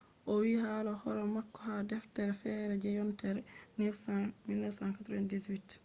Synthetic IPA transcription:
ʔowihalɔhɔɾɔmakːɔhadɛftɛɾfɛɾɛd͡ʒɛjɔntɛɾnɛfsamilnɛfsankatɾɔɛntdiswit

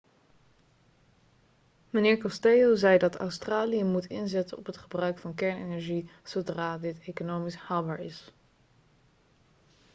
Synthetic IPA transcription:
mənɪːɹkɔstejozɛjdɑtɑ̰wstraːlijəmutʰɪ̰nzɛtənɔ̰pɦətχəbrœɥkfɑnkɛɹnḛnɛɹʒiz̥owdraːdɪtejkonowmishaːlˠbaːɹɪ̰s

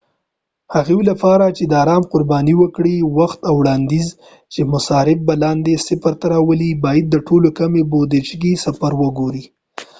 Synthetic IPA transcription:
haɣewlapɑɾat͡ʃed̪əɑɾɑmqʊɾbɑniwəkɽiwaxt̪awɽɑnd̪iz | t͡ʃemʊsɑɾɪb̚balɑnd̪esɪpaɾt̪aɾɑwəlibɑjad̪ːəʈʰolokamebod̪et͡ʃɡisafaɾwəɡoɾi

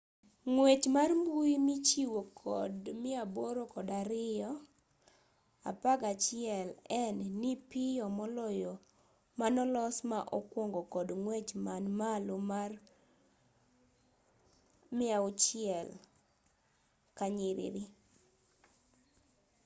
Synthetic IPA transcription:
ŋwet͡ʃmarmbuimit͡ʃiwokʰɔ̰dmɪaboɾokɔdaɾɪɔ | a̰paɡat͡ʃɪɛlɛnːipɪjɔmɔlɔjo | manɔlɔsmaʔɔkwɔŋɡɔkɔdŋwet͡ʃmanmalomar | mɪaʊt͡ʃɪɛl | kaɲɪɾɪ̰ɾɪ

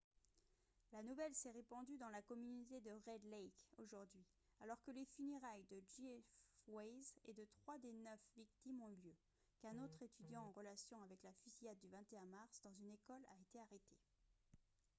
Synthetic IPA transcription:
lanuvɛlsɛʁepɑ̃d̪yd̪ɑ̃lakɔmynot̪ed̪əʁɛd̪lɛjkoʒuʁd̪ɥi | alɔʁkəlefyneʁajd̪əd͡ʒifwɛjzḛd̪ət̪χwad̪enœfvik̚t̪imɔ̃yljø | kɛ̃not̪χet̪yd̪jɑ̃ɑ̃ʁəlasjɔ̃avɛklafyzijad̪̚ːyvɛ̃t̪eɛ̃maʁsd̪ɑ̃zynekɔla̰et̪eaʁet̪ʰe

